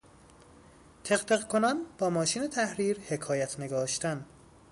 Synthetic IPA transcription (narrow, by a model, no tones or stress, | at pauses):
t̪ʰeχt̪eɣkʰonɒnb̥ɒːmɒːʃiːne̞t̪ʰæhɾiːɾhe̞kʰɒːjæt̪ʰne̞ɡɒːʃt̪æn